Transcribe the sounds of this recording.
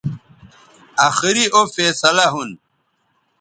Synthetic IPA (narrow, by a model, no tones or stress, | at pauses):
aːxiɾiʔofeːsɐlaɦun